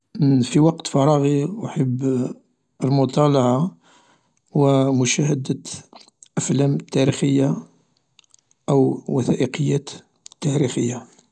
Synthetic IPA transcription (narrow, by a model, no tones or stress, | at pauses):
fiwɑqt̪fɑɾˤɑɣiwħəbː | əlmʊt̪ˤɑlɑʕa | wəmʊʃæhəd̪ə | ʔæflæmt̪ːæɾixəjːa | ʔəwwəθæʔəqəjːæt̪ | t̪ːæɾixəjːa